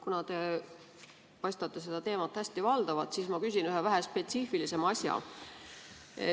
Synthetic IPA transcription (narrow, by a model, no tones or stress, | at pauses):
kunɑt̪e̞ | pɑjst̪ɑt̪ːˑe̞se̞d̪ɑt̪e̞ːmɑt̪ːhæsʲt̪ivɑld̪̥ɑvɑd̪̥sismɑkys̬ʲinyɦevæɦespe̞t̪siːfilise̞mɑsʲjɑ̰